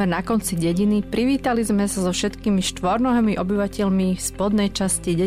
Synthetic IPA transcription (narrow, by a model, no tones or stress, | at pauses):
ɛɾnakɔnt͡siɟɛɟinipɾiʋiːt̪alizmɛsazɔfʃɛt̪kiːmiʃt̪ʋɔɾnɔɦɛmiʔɔbiʋacɛʎmifspɔd̪nɛjt͡ʃasciɟɛ